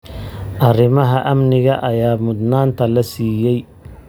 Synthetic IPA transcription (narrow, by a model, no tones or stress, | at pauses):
ʔɐrɪmɐɦɐʔɐmnɪɣɐʔɐjaːmʊd̪naːnt̪ʰɐlɐsiːjɛj